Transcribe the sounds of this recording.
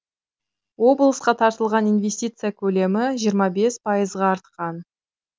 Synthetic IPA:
wo̞blˠəsqɑt̪ʰɑɾt̪əlˠʁɑninve̞sʲt̪ʲijt̪sɨjakʲʰɵle̞mɪʒijəɾmɑbe̞spʰɑjəzʁɑːɾt̪̚qɑn

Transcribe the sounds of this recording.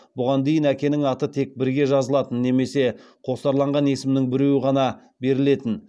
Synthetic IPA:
bʊʁɑnd̪e̞jɪnækʲe̞nɪŋɑt̪ət̪ʰe̞k̚bɪɾɡʲe̞ʒɑzəlˠɑt̪ənːe̞me̞se̞ | qʰo̞sɑɾlˠɑɴʁɑne̞sɪmnɪŋbɪɾewɪʁɑnɑ | be̞ɾɪle̞t̪ɪn

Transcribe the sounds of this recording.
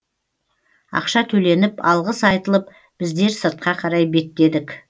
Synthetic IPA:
ɑ̰qʃɑt̪ʰɵle̞nɪpɑlˠʁəsɑjt̪əlˠəp | b̥ɪzd̪e̞ɾsəɾt̪̚qɑqʰɑɾɑjbe̞t̪ːe̞d̪ɪkʲ

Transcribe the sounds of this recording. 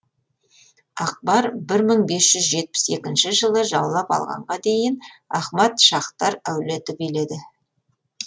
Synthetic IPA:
ɑq̚bɑɾbɪɾməɴbe̞sʒ̥ʏzʒe̞t̪̚pɪ̥se̞kʲɪnʃɪʒəlˠəʒɑwlˠɑpɑ̰lˠʁɑ̰ɴʁɑd̪ejɪnɑχmɑt̪ʃɑχt̪ɑɾæwlɪt̪ʰʏpele̞d̪ɪ

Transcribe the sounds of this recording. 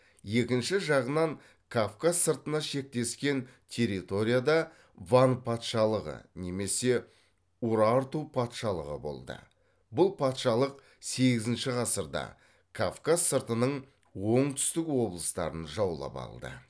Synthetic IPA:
je̞kʲɪnʃɪʒɑʁənɑŋ | kʰavkasəɾt̪ənɑʃe̞k̚t̪e̞skʲe̞nt̪ʲʰe̞ɾit̪o̞ɾʲijad̪ɑ | vanpʰɑt̪ʃɑlˠəʁə̰ne̞me̞se̞ | uɾɑɾt̪upʰɑt̪ʃɑlˠəʁə̰bo̞̰lˠd̪ə̰ | bʊlˠpʰɑt̪ʃɑlˠəq | se̞ɡʲɪzɪnʃɪʁɑsəɾd̪ɑ̰ | kʰavkassəɾt̪ənəɴ | wo̞ɴt̪ʰʏ̥st̪ɪkwo̞blˠəst̪ɑ̰ɾənʒɑwlˠɑ̰pɑ̰lˠd̪ə̰

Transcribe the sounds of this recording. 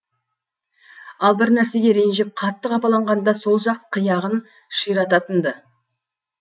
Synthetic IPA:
ɑlˠbɪɾnæɾse̞ɡʲe̞ɾe̞nʒɪp̚qʰɑt̪ːəqɑpɑlˠɑɴʁɑnd̪ɑso̞lˠʒɑq̚t̪əqʰəjɑʁən | ʃijɾɑt̪ɑt̪ənd̪ə

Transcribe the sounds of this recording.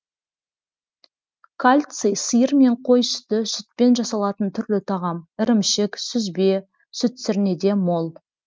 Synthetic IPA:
kʰalʲt̪sɨjsəjəɾme̞ɴqʰo̞jsʏ̥t̪ɪsʏt̪̚pe̞nʒɑsɑlˠɑt̪ənt̪ʰʏɾlɪt̪ʰɑʁɑmɪɾɪmʃɪksʏzbe̞ | sʏt̪sɪɾne̞d̪e̞mo̞lˠ

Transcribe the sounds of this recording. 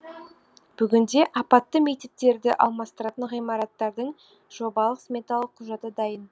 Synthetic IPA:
b̥ʏɡʲɪnd̪e̞ʔɑpɑt̪ːəme̞kt̪e̞t̚t̪ːe̞ɾd̪ɪʔɑ̰lˠmɑst̪əɾɑt̪əɴʁijmɑɾɑt̪ːɑɾd̪əɴ | ʒ̥o̞bɑlˠəqsmʲe̞t̪alˠəqʰːʊʒɑt̪əd̪ɑjən

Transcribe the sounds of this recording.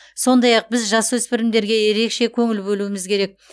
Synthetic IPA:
so̞nd̪ɑjɑq̚bɪzʒɑswɵspɪɾɪmd̪e̞ɾɡʲe̞je̞ɾe̞kʃe̞kʲʰɵŋɪlbɵluɪmɪzkʲʰe̞ɾe̞k̚

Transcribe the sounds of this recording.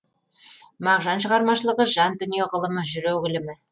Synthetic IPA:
mɑʁʒɑnɕɤ̆ʁɑɾmɑʃɤ̆lˠɤ̆ʁɤʒɑnd̪ɵ̆njoʁɤ̆lˠɤ̆mɤʒɵ̆ɾæwɡɘ̆lɘ̆mɘ

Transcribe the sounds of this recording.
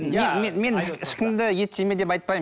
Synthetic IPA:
mememe̞nɪʃkʲɪnd̪ɪjet̪ʰʲːeme̞d̪epɑjt̪̚pɑj

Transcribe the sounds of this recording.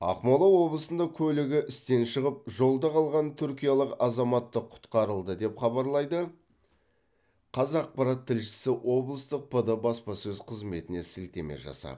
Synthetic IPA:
ɑ̰qmɑlˠɑwo̞blˠəsənd̪ɑkʲʰɵlɪɡʲɪʔɪst̪e̞nʃəʁəp̚ʒo̞lˠd̪ɑqʰɑlˠʁɑnt̪ʰʏɾkʲijalˠəqɑzɑmɑt̪ːəqʰʊ̥t̪qɑɾəlˠd̪əd̪e̞pχɑbɑɾlˠɑjd̪ə | qʰɑzɑq̚pɑɾɑt̪ʰːɪlʃɪ̥sɪwʔo̞blˠəst̪əq̚pʰəd̪əbɑspɑsɵzqʰəzme̞t̪ɪne̞sɪlt̪e̞me̞̰ʒɑ̰sɑ̰

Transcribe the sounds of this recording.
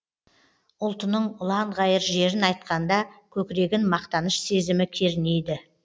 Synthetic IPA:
ʊlˠt̪ənəɴʊlˠɑɴʁɑjəɾʒe̞ɾɪnɑjt̪̚qɑnd̪ɑkʲʰɵkʲɪɾe̞ɡʲɪnmɑqt̪ɑnəʃse̞zɪmɪkʲʰe̞ɾɪne̞jd̪ɪ

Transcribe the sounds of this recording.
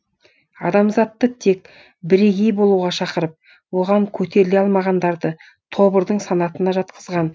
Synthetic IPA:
ɑ̰d̪ɑmzɑt̪ːət̪ʰe̞k | bɪɾeɡʲe̞jbo̞lˠuʁɑʃɑqəɾəp̚ | wo̞ʁɑŋkʲʰɵt̪e̞ɾɪle̞ɑlˠmɑʁɑnd̪ɑɾd̪ə | t̪ʰo̞bəɾd̪əɴsɑnɑt̪ənɑʒɑt̪qəzʁɑn

